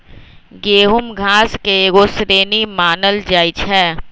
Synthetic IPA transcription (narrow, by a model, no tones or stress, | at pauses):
ɡeːɦʊmɡʱaːskeɡosɾeːnimaːnəld͡ʒaːɪt͡ʃʰɦɛː